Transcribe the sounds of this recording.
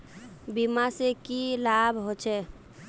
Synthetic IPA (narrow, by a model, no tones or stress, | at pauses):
bimasekilabʱɦot͡ʃʰɛ